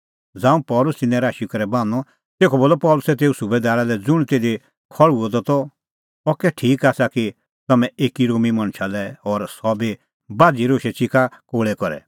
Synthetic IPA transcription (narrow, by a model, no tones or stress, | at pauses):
d͡zãːũpɔːlʊst̪ɪnːɛ̃ɾaːʃikɐɾɛbãːnɔ̃ | t̪eːkʰɔboːlɔpɔːlʊsɛt̪̬eːusʊbed̪aːɾalɛd͡zʊɽ̃t̪eːd̪e | kʰɔɭuɔd̪ɔt̪ɔ | ɔkɛʈʰiːkaːsaki | t̪ɐmɛ̃eːkiɾoːmimɐ̃ɽ̃ʃʰalɛɔɾsɔbe | baːd͡ziɾoːʃɛt͡ʃikʰakoːɭɛkɔɾɛ̰